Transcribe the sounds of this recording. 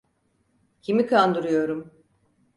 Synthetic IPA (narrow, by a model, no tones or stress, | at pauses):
cʰimikʰand̪uɾujo̞ɾum